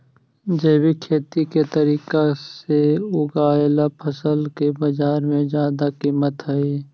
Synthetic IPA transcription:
d͡ʒeːbikʰeːt̪iket̪əɾiːkaseʊɡaːjlapʰəsəlkebəd͡ʒaːɾmẽd͡ʒjaːd̪akiːmət̪ɦəiː

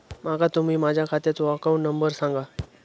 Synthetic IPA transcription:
makat̪um̤iːmad͡ʑʱjakʰat̪iɾt͡sakaunnːəmbəɾsãŋɡa

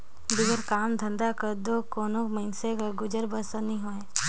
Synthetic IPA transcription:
d̪ɪɡəɾkaːmd̪ʱə̃nd̪akəɾd̪okoːnomənsekaɡʊd͡ʒəɾbəsənĩɦoːẽː

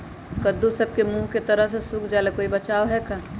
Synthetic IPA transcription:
kəd̪usɐb̚kemũːɦket̪ɐɾəɦsesʊkʰd͡ʒaːlekoːibɐt͡ʃaːoɦɛkaː

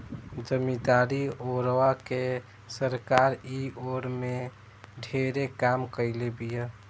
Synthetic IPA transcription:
d͡ʒəmid̪aːɾioːɾʋake | səɾkaːɾioːɾmẽ | ɖʱeːɾekaːmkəɪlebija

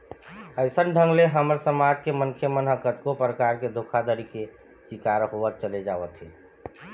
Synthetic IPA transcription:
əɪsənɖʱəŋɡleɦəməɾsəmad͡ʒkemənkʰjəmənɦəkət̪kopɾəkaɾked̪ʱokʰad̪əɾike | sikaɾɦoʋət̪̚t͡ʃəled͡ʒaʋət̪ɦɛ

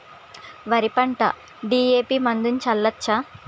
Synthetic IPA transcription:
ʋɐɾipɐɳʈɐ̰ | ɖiːeːpiːmɐnd̪unt͡ʃɐlːɐtːt͡ʃːɐ

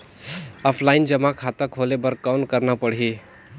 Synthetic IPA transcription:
aːfʰlaind͡ʒəmakʰat̪əkʰolebəɾkawnkəɾnapəɽɦi

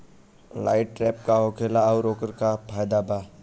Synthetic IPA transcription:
laːɪʈ̚ʈɾɛːp̚kaɦoːkʰeːlaɔːɾoːkəɾkapʰaːjd̪abaː

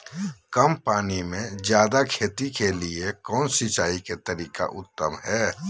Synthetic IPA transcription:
kəmpaːnimẽzjaːd̪akʰeːt̪ikeliekɔːnsɪt͡ʃaːiket̪əɾiːka̰ʔʊt̪ːəmɦɛː

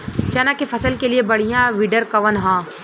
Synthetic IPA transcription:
t͡ʃɐnãkefʰɐsəlkeliebɐɽ̤ijãʋɪɖəɾkɐʋənɦãː

